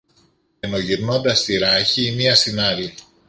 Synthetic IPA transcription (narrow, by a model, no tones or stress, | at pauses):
eno̞ʝiɾnond̪ɐst̪iɾɐçiːmiɐst̪inɐɾi